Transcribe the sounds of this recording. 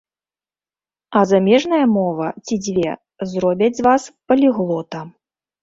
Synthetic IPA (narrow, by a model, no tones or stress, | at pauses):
ɐzamʲɛʐnɐjɐmɔvɐt͡sʲid͡zʲvʲɛ | zrɔbʲɐd͡zʲzvaspɐlʲiɣlˠɔt̪ɐ